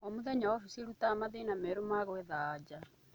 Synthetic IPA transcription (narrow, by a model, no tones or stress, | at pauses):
ɔmuðɛɲaɔfisiɾutaːmaðenameɾomaɣweðad͡ʒa